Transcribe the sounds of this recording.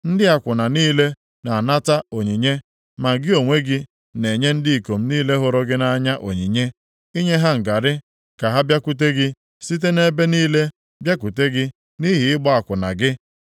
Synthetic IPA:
n̩˦dɪ˦a˨kʷʊ˨na˨niː˦le˦ | na˨a˨na˦ta˦o˨ɲi˨ɲe˦ | ma˨ɡɪ˦o˨ŋʷe˦ɡɪ˦ | ne˨ɲe˦n̩˦dɪ˦i˨ko˨m̩˦niː˦le˦ɦʊ˨ɾɔ˦ɡɪ˦na˦ɲa˦ʔo˨ɲi˨ɲe˦ | i˦ɲe˦ɦa˦ŋ̩˨ɡa˨ɾɪ˦ | ka˨ɦa˦bja˦ku˦t̬e˦ɡɪ˦ | si˦t̬e˦ne˦be˦niː˦le˦ | bja˦ku˨te˦ɡɪ˦ | ni˦ɦɪ˨ɪ˦ɡ͡bɔ˦a˨kʷʊ˨na̰˨ɡɪ˦

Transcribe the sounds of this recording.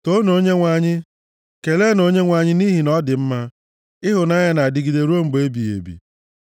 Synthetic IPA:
to˦no˦ɲe˦ŋʷa˨ɲɪ˦ | ke˨le˦no˦ɲe˦ŋʷa˨ɲɪ˦ni˦ɦi˨nɔ˦dɪ˨m̩˦ma˦ | ɪ˦ɦʊ˨na˦ɲa˦na˨a˨dɪ˨ɡi˨de˨ɾu˦o˦m̩˨ɡ͡be˦bi˨ḛ˨bḭ˨

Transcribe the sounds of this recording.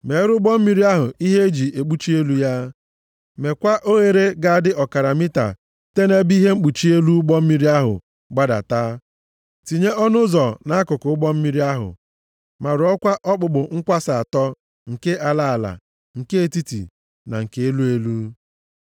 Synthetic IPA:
me˨˦ɾʊ˦ɡ͡bɔ˦m̩˦mi˦ɾi˦a˦ɦʊ˨i˦ɦe˦d͡ʒi˨ʔe˨k͡pu˦t͡ʃi˦e˦lu˦ja˦ | me˨kʷa˦ʔo˦ɣe˨ɾe˦ɡa˦a˦dɪ˦ʔɔ˨ka˨ɾa˨mi˦ta̰˨ | te˦ne˦bi˦ɦe˦ŋ͡m̩˦k͡pu˨t͡ʃi˦e˦lu˦ɡ͡bɔ˦m̩˦mi˦ɾi˦a˦ɦʊ̰˨ | ɡ͡ba˦da̰˨taː˦ | ti˨ɲe˦ʔɔ˦nʊ˦zɔ˨na˦kʊ˨kʊ˨˦ʊ˦ɡ͡bɔ˦m̩˦mi˦ɾi˦a˦ɦʊ̰˨ | ma˨ɾɔ˦kʷa˦ʔɔ˦k͡pʊ˨ɡ͡bʊ˨ŋ̩˦kʷa˦sa˨a˨tɔ˦ | ŋ̩˨ke˦ʔa˨la˦˨a˨la̰˨ | ŋ̩˨ke˦e˨ti˦tḭ˨ | na̰˨ŋ̩˨ke˨e˦lu˦e˦lu˦

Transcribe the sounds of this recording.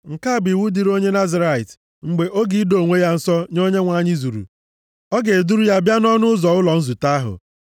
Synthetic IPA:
ŋ̩˨ka˦˨bi˨wu˦di˨ɾo˦ɲe˦na˦za˦ɾa˨i˨t | ŋ͡m̩˨ɡ͡be˨ʔo˦ɡi˦do˨ŋʷe˦ja˦n̩˨sɔ˦ɲo˦ɲe˦ŋʷa˨ɲɪ˦zu˨ɾṵ˨ | ɔ˦ɡe˨e˨du˦ɾu˦ja˦bja˦nɔ˦nʊ˦ʊ˦zɔ˨ʊ˦lɔ˨n̩˦zu˨ta˦ɦʊ̰˨

